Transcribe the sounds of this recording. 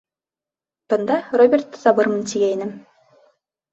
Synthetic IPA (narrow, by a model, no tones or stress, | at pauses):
b̥ɤnd̪ɑrobʲert̪ːzɑbɤɾmɤnt̪ʰiɡʲejnɪm